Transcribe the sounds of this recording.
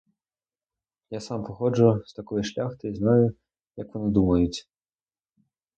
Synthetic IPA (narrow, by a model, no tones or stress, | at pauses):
jasɑmpɔxɔd͡ʒʊst̪ɐkɔjiʃlʲaxt̪ɪiznɑjʊ | jɐkʋɔnid̪umɐjʊt͡sʲ